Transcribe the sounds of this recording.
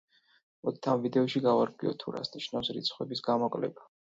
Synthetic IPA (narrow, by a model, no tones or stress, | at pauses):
mɔd̪it̪ʰamvid̪ɛɔʃiɡavaɾɡʼwiɔ̰t̪ʰuɾa̰sniʃnafsɾit̪sʰχwɛbisɡamɔkʼlɛ̰ba